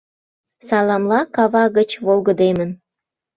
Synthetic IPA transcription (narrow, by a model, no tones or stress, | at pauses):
sɑlɑmlɑkɑβɑɣət͡ɕβolɣəd̪emən